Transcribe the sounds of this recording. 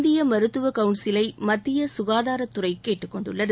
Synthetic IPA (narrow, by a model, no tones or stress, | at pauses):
d̪ɪjɐmɐɾɯt̪ːɯʋɐkɐʊɳsɪlɐɪmɐt̪ːɪjɐsʊɣaːðaːɾɐt̪ːʊrɐɪkeːʈːɯkːɔɳɖɯ̰ɭːɐðɯ